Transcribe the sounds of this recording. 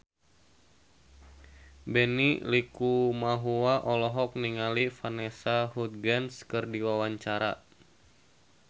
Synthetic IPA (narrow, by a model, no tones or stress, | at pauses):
bɛnilikumaɦuwaʔɔlɔɦɔk̚niŋalifanɛsaɦut̪̚ɡanskɨrdiwawaɲt͡ʃaɾa